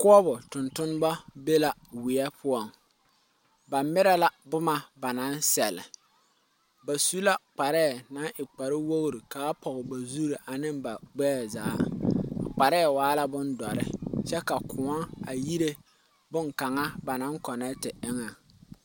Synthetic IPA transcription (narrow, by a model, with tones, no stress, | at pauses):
kʊ˦ɔ˦bʊ˨tʊ˨ntʊ˦n˦ba˦be˦la˨wɪ˨ɛ˦pʰʊ˦ɔ˨ŋ | ba˨mɪ˦ɾa˦la˦bʊ˦ma˨ba˨na˦nsɛ˨lɪ̰˨ | ba˨su˦la˦k͡pa˨ɾɛː˦˨na˨˦nʔɪ˨k͡pa˨ɾɪ˦wo˦ɣɾi˨ka˨a˦pɔ˨ɣɪ˨ba˨zu˦ɾi˨ʔa˨nɪ˦mba˨ɡ͡bɛ˦˨zaː˨˦a̰˨k͡pa˨ɾɛː˦˨waː˨˦la˦bʊ˦ndɔ˨ɾɪ̰˦t͡ʃɛ˦ka˨kʰʊ˨a˦a̰˨ji˦ɾe˦ | bʊ˦ŋka˨ŋa˦ba˨na˦ŋkɔ˨nɛ˦tɪ˨ɪ˦ŋa˨